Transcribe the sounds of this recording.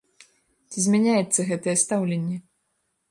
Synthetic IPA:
t͡sʲizʲmʲanʲajɛt̪sːɐɣɛt̪ɐjɛst̪awlʲenʲːɛ

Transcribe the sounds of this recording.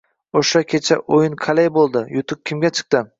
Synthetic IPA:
oʃakʲʰet͡ʃʰa̰ʔojɪnqʰalejbolˠd̪ɪjʊt̪ʰʊp̚kʲʰɪmɡʲat͡ʃʰɨ̥q̚t̪ɪ

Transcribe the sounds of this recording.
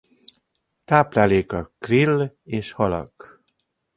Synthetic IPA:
t̪aplalekakːɾileʃhɔlɔ̰k

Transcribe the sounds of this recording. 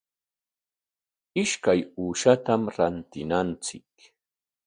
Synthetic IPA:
ɪʃkajuːʃat̪amɾant̪ɪnant͡sɪk

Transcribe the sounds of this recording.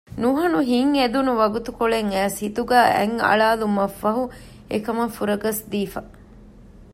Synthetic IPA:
nuɦɐnuɦiŋed̪unuʋɐɡut̪ukoɭeŋæːshit̪uɡæːʔɛ̰ŋɐ̰ɭaːlumɐfːɐɦu | ekɐmɐfuɾɐɡɐsd̪iːfɐ

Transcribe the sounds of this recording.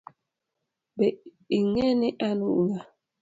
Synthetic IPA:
bɛ | iŋɛniʔanuŋa

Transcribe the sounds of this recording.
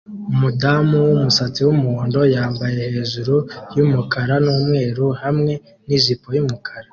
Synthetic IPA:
umudamuwumusat͡siwumuoːndo̞jaːmbaje̞he̞ːʒuɾujumukʰaɾanuːmŋe̞ːɾuhamŋe̞ | nizipo̞jumukʰaɾa

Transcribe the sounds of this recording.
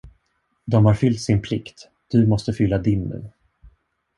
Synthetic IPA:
d̪ɔmhaɾfʏlt̪sɪnpʰlɪkt̪ | d̪̥ɵmɔst̪əfʏlːad̪ɪnːʉ̟̰ː

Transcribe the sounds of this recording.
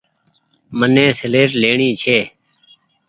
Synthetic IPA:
mənẽːsəleːɾleːɳĩːt͡ʃʰeː

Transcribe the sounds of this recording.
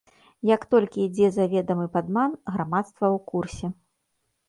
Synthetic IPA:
jɐkt̪ɔlʲkʲid͡zʲɛzavʲɛd̪ɐmɨpad̪manɣɾamat̪st̪vɐwkursʲɛ

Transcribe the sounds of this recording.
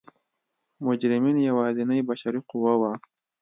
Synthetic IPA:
mʊd͡ʒɾɪminjawɑːzinajbaʃaɾiqʊwawa

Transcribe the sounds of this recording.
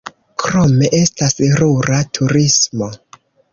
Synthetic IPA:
kɾo̞me̞ʔe̞stasɾuɾatʰuɾismo̞

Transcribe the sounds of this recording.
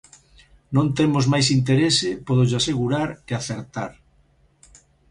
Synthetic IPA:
nõnt̪emozmajsint̪̬eɾesɪpoðʊʝaseɣuɾaɾeaθeɾt̪a̰ɾ

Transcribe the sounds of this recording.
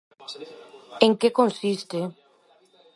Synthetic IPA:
eŋkekonsist̪e

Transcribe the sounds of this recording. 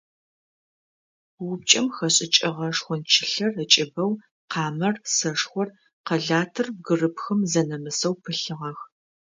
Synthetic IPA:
wʊp̚t͡ʃʼɐmxɐɕʼɪt͡ʃʼɐʁɐʂxʷɔnt͡ʃʰɪɬɐrət͡ʃʼɪbɐw | qʰɑːmɐrsɐʂxʷɔr | qɐɮaːtʰɨrɡɨrɨpxɨmzɐnɐmɨsɐwpʰɨɬɨʁɐx

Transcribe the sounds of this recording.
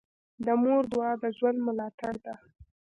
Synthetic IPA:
d̪əmoɾd̪ʊɑd̪əʒwand̪mʊlɑt̪aɽd̪a

